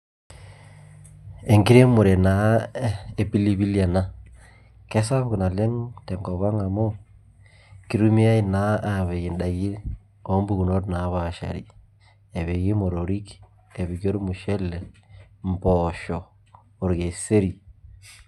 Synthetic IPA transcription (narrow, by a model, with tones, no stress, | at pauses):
e˨ŋɡi˦ɾe˦mu˨ɾe˨na˨˦ | e˦pi˦li˦βi˦la˨na˦ | kɛ˦sa˦βku˨na˨le˦ŋtɛ˨ŋɡɔ˨βa˦ŋa˨mo˦ | ki˦ɾu˦mi˦a˦i˦na˦a˨βe˨ɣi˨nda˨ɣi˦ | ɔ˦mbu˦ɣu˨no˦ɾna˨˦βa˦˨ʃa̰˨ɾḭ˦ | e˨βe˨ɣi˦mo˨ɾo˨ɾi˦k | e˨βi˨ɡo˦ɾmu˨ʃe˦le˨mbɔ˨ʃɔ˨ | o˨ɾɡe˨se˦ɾi˨